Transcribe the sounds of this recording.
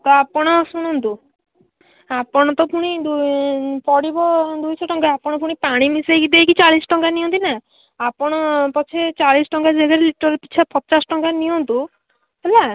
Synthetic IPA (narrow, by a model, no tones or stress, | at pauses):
t̪ɔapɔɽ̃ɔsuɽ̃ɔnt̪u | apɔɽ̃ɔt̪ɔpuɽ̃id̪upɔɽibɔd̪ujsɔʈɔŋɡaapɔɽ̃ɔpuɽ̃ipaɽ̃imisejkid̪ejkit͡ʃaɭisɔ̥ʈɔŋkaniɔnt̪inaː | pɔɽ̃ɔpɔt͡ʃʰet͡ʃaɭisɔʈɔŋɡad͡ʒeɡaɾeliʈɔɾpit͡ʃʰapɔt͡ʃasɔʈɔŋɡaniɔnt̪u | ela